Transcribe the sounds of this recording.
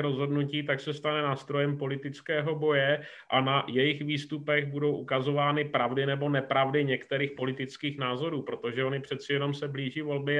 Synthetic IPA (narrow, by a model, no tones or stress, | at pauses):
ɾo̞zɦo̞dnuciːt̪aksɛst̪anɛnaːst̪ɾo̞jɛmpo̞lɪt̪ɪt͡skɛːɦo̞bo̞jɛ | ʔʔanajɛjɪxviːst̪upɛɣbudo̞wʔukazo̞vaːnɪpɾavdɪnɛbo̞nɛpɾavdɪɲɛkt̪ɛɾiːxpo̞lɪt̪ɪt͡skiːxnaːzo̞ɾuːpɾo̞t̪o̞ʒɛo̞nɪpr̝̥ɛt̪t͡sɪjɛno̞msɛbliːʒiːvo̞lbɪ